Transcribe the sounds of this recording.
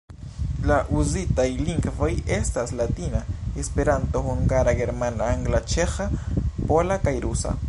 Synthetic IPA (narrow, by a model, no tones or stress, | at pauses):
laʔuzitajliŋɡvo̞je̞staslatinaespe̞ɾantohuŋɡaɾaɡe̞ɾmanaaŋɡlat͡ʃexapolakajɾusa̰